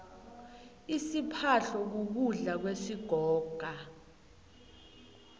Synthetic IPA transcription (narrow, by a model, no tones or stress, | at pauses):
isipʰaɬɔk̬uk̬uɮak̬wesiɡ̥ʱɔːɡ̥ʱa